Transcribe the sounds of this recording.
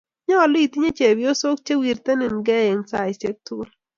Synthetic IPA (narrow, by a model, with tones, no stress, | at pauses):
ɲɔ˦ɔ˨lʊ˦i˨ti˦ɲe˦t͡ʃe˨bjo˦so˦k̚t͡ʃe˦wi˨ɾt̪e˦nɪ˨nɡɛ˦e˨ŋsa˦˨ɪ˨se˦k̚t̪u˦l